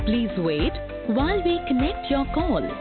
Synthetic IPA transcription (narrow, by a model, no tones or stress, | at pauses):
pliːzweːʈ | ʋaɪlʋiːkənɛk̚ʈʰjɔɾkɔːl